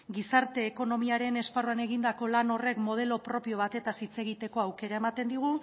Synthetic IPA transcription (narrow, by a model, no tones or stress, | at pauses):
ɡisaɾt̪e̞ːko̞no̞miaɾe̞ne̞sparuane̞ɣind̪ako̞lano̞re̞kmo̞ðe̞lo̞pɾo̞pio̞β̞at̪e̞t̪asit͡se̞ɣit̪e̞ko̞awke̞ɾae̞mat̪e̞nd̪iɣ̞u